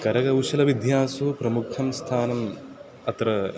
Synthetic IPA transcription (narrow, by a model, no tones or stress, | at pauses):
kɐɾɐɡɐwuʃɐlɐʋid̪ʱjaːsupɾɐmukʰɐmst̪ʰaːnɐm | ɐt̪ɾɐ